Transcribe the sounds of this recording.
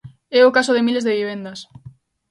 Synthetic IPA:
ɛʊkasoðemilezðeβiβ̞end̪ɐs

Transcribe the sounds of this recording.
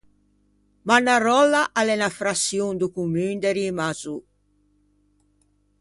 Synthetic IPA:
manːarɔlːaʔalɛnafɾasjund̪ukumynd̪ɛɾimazu

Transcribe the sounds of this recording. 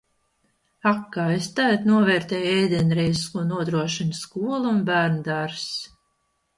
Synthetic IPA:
akːaːest̪æjt̪nuɔvɛːɾt̪ɛːjɛjd̪ʲɛnɾɛjzskuːnuɔd̪ɾuɔʃinskuɔlˠunbæːɾnd̪aɾs

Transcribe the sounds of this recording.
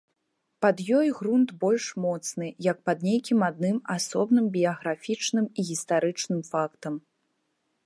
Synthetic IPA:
pad̪jɔjɣɾunt̪bɔlʲʂmɔt̪snɨjɐk̚pɐd̪nʲejkʲimad̪̚nɨmasɔbnɨmbʲijɐɣɾafʲit͡ʂnɨmiɣʲist̪aɾɨt͡ʂnɨmfakt̪ɐm

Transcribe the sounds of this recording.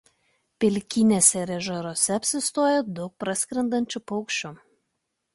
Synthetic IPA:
pʲɪlʲkʲɪnʲesʲɛɾʲɛʒɐɾoːsʲɛɐpʲsʲɪst̪oɔjɛd̪ʊk̚pɾɐsʲkɾʲɛnd̪ɐnʲt͡ʃʲʊpɔʊkʃʲt͡ʃʲʊ

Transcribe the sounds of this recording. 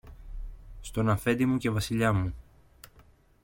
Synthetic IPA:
st̪o̞nɐfe̞d̪imuce̞vɐsiʎɐmu

